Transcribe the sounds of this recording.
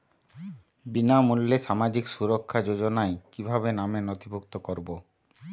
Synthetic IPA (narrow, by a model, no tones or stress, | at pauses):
binamulːeʃamad͡ʑiksuɾokʰːad͡ʑod͡ʑonaekibʱabenamenɔt̪ibʱukt̪okɔɾbo